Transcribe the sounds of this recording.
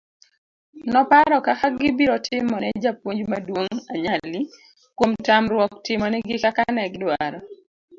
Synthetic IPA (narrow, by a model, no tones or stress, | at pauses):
nɔpaɾɔkakaɡɪbiɾɔtʰɪmɔnɛd͡ʒapwoɲd͡ʒmadwoŋaɲali | kwomtamɾwɔktɪmɔnɛɡɪkakanɛɡdwaɾɔ